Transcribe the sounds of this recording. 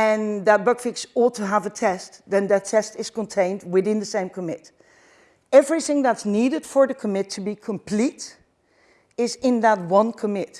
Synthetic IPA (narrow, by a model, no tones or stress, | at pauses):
ɨ̃nðət̚b̥ɜkfɪksɔtʰəəvətʰɛstðɨ̃nðɨtʰɛstɪz̥kə̃ntʰẽɪ̃nd̚wɪθɪ̃nðɨsẽɪ̃mkʰəmɪt | ɛvɹiθɪ̃ŋðætsniɾɨd̥fə˞ðɨkʰəmɪtʰːɨbikʰə̃mpʰl̥iɾ | ɪzɪ̃nðət̚wʌ̃nkʰəmɪt